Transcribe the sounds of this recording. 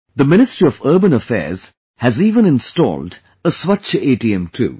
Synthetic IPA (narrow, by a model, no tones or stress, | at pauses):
d̪əmɪnɪstɹiɔvəːbə̃nəfɛ̰ːz̥ | hæziːʋə̃nɪ̃nstɔ̰ːlɖ | əswʌt͡ʃeːʈiɛ̃mʈʰṵː